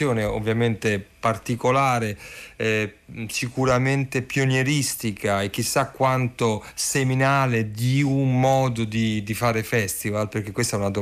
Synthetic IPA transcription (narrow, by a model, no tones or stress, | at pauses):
joːneo̰vːjament̪epart̪ikolaːɾeɛsikuɾament̪epjonjeɾist̪ikaek̟ːisːakːwant̪oseminaːled̪iummɔːd̪od̪id̪ifaːɾefɛst̪ivalperk̟ekːwest̪aɛunad̪o